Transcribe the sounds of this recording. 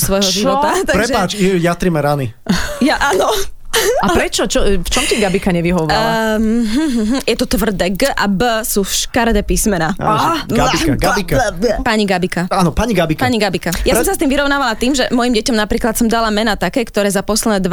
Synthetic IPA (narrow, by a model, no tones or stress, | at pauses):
sʋɔjɦɔʒiʋɔt̪at̪apɾɛʒɛaːt͡ʃjat̪ɾimɛɾani | jaʔanɔ | apɾɛt͡ʃɔt͡ʃɔft͡ʃɔmciɡabikaɲɛʋiɦɔʋɔɾaɦ̩ɦ̩ɦ̩jɛt̪ɔt̪ʋr̩d̪ɛɡʔabəsuʃkaɾd̪ɛpiːsmɛnaa̰ɡaɡikpaɲiɡabikaanɔpaɲiɡabikpaɲiɡabikajasɔmsast̪iːmʋiɾɔʊnaːʋalat̪iːmʒɛmɔjimɟɛcɔmnapɾiːklat̪sɔmd̪alamɛnat̪akɛːkt̪ɔɾɛːzapɔslɛd̪ɛd̪ʋ